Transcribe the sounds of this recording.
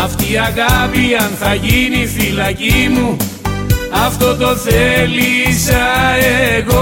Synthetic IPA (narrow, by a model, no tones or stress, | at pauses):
ɐft̪iɐɣɐpiɐnθɐʝinifilɐcimu | ɐft̪o̞t̪o̞θelisɐeɣo